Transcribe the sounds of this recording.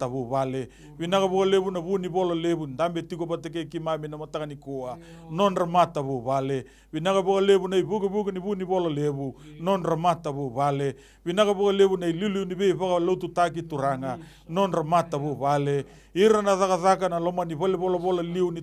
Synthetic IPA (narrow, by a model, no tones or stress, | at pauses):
taβuβale̞ | βinaɡaβoɡale̞βunaβuniβo̞lale̞βundambetikapatek̬ekimaminamataɡanikoa | no̞nɾamataβuβale̞ | βinaɡaβoɡale̞βunajβuɡaβuɡaniβuniβo̞lale̞βuno̞nɾamataβuβale̞ | βinaɡaβoɡale̞βunajliliuniβe̞jβaɡalowtutak̬ituɾaŋa | no̞nɾamataβuβale̞ | iɾanaðakaðak̬analo̞maniβaleβolaβolaliwni